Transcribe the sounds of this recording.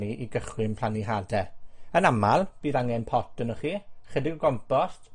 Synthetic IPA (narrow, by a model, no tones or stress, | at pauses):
iʔiɡəχwɪmpʰl̥ˠaniɦadɛənamalˠb̥iːðaŋɛnpʰɔtənɔχiːχɛdɪɡɔɡɔmpɔst